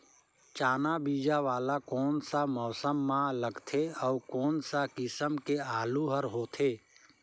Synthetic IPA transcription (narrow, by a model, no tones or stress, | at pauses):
t͡ʃaːnabiːd͡ʒaʋaːlakɔːnsamɔːsəmːãləɡt̪ʰeɔːkɔːnsakɪsəmkeaːluɦəɾɦoːt̪ʰeː